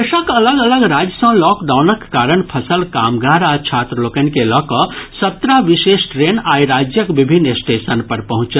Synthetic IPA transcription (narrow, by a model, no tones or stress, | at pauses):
eʃə̃kɐləɡələɡɾaːd͡ʒəsə̃lɔkd̪aʊnəkkaːɾəɳpʰɐsəlkaːmɡaːɾat͡ʃʰaːt̪ɾəloːkənkelɔːkɔsɐt̪ɾaʋiʃeːʃʈɾeːnaːjɾaːd͡ʒjəkʋibʱinːesʈesənpɐɾpɐɦʊ̃t͡ʃə